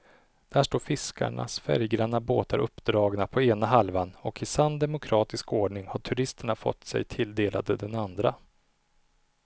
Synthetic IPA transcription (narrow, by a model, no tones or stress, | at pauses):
d̪̥æʂʈoːɾfɪskʰa̰ɳa̰sfæ̰ɾjɡɾanːaboːt̪aɾʔɵpːd̪ɾɑːɡnapʰɔeːnaɦalvanɔkɪsand̪ɛmʊkʰɾɑːt̪ɪskoːɖɳɪŋhaʈʰɵɾɪst̪əɳafɔ̰t̪ːsɛ̰jt̪ʰɪld̪eːlʔa̰d̪əd̪ɛnand̪ɾa